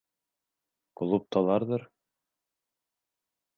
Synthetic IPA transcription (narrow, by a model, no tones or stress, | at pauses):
kŏlˠup̚t̪ɑlˠɑɾðɤɾ